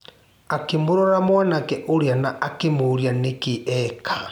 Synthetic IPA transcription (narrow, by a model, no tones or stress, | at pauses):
akemuɾɔɾamwanakɛʔoɾjanaʔakemuɾjanekiʔɛkʰa